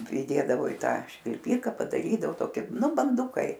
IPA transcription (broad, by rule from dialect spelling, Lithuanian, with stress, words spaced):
pʲrʲɪˈdʲeːdɐʋoː ɪ ˈtɑː ʃʲʋʲɪlʲˈpʲiːkɐ pɐdɐˈrʲiːdɐʋoː ˈtoːkʲɪ ˈnʊ bɐnˈdʊkɐɪ